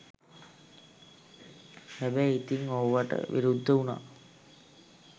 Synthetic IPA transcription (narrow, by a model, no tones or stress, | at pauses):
hɛbɛjit̪iŋowʋaʈə̰ʋʔḭɾud̪ʱːəuna̰